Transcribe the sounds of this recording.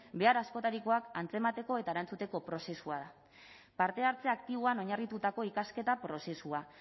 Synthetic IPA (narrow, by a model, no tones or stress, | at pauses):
be̞aɾasko̞t̪aɾikoakant͡se̞mat̪e̞ko̞e̞t̪aeɾant͡sut̪e̞ko̞pɾo̞se̞suaða | paɾt̪e̞aɾt͡seakt̪iβ̞oano̞ɲarit̪ut̪ako̞ikaske̞t̪apɾo̞se̞sua